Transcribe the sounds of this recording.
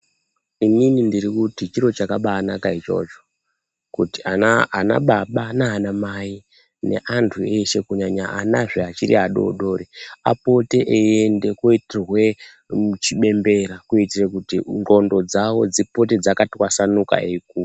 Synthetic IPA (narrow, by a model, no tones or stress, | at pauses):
ininindiɾikutit͡ʃiɾo̞t͡ʃakaɓaːnakait͡ʃo̞̰t͡ʃo̞̥ | kutiaana̰ɓaɓanaːnamai | ne̞̰ʔantʰue̞ʃe̞kuɲaɲaʔanaʐeat͡ʃiɾḭɦaɗo̞̰ɗo̞ɾea̰po̞te̞ʔeende̞koitirwe̞ | t͡ʃiɓe̞mbe̞ɾakuitirekutiŋɡo̞ndo̞d͡zawo̞d͡zipo̞te̞d͡zakatikwasanuka̰eik̚uːru